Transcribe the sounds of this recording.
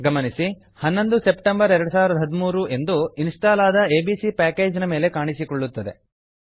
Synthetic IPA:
ɡɐmɐnisi | hɐnːo̞nd̪use̞pʈembɐɾɛɾɐɽusaːʋiɾɐd̪ɐɦɐd̪umuːɾue̞nd̪uinsʈaːlaːd̪ɐe̞ːbiːsipæːke̞ːd͡ʒɐnɐme̞ːle̞kaːɳisikɔɭːut̪ːɐd̪e̞̰

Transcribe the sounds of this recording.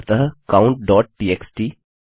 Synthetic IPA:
t̪əɦkãʊ̃ɳʈ̚ɖɔːʈ̚ʈiːeksʈiː

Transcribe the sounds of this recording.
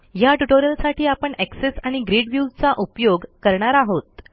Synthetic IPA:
jaʈuʈoɾijəlsaʈʰiːapəɳeksesaɽ̃iɡɾeɽʋjut͡saʔupjoɡkəɾɳ̃aɾaɦot̪̚

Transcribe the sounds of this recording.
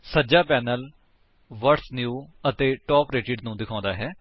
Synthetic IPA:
səd͡ʒaːpɛːnəl | ʋəɾsnjuːət̪eːʈɔːpɾeːʈɪɖnũːd̪ɪkʰãːnd̪aːɦɛː

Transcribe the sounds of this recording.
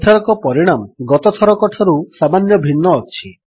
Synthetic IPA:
t̪ʰaɾɔkɔpɔɾiɽ̃amɡɔt̪ɔt̪ʰɔɾɔkɔʈʰɔɾusamanjɔbʱinːɔːt͡ʃʰi

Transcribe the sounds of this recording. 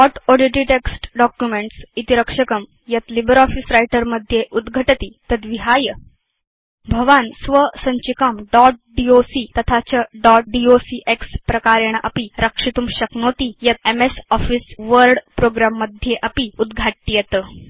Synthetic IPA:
ɔʈɔɖiʈɾiʈeksʈɖɔkjumeɳʈsit̪iɾəkʂəkəm | jət̪libəɾɔfiːsɾajʈəɾməd̪ʱjeʔud̪ɡʱəʈət̪iːt̪ət̪ʋiɦajə | bʱəʋansʋəsəɲt͡ɕikamɖɔʈ̚ɖiosiːt̪ət̪ʰat͡ɕəɖɔʈ̚ɖiosiʔekspɾɐkaɾjaɳ̃ʔə̰piɾəkʂit̪umɕəknot̪ijət̪̚emesɔfiːsʋəɾɖpɾoɡɾamːəd̪ʱjeʔəpiud̪ɡʱaʈːijet̪ə

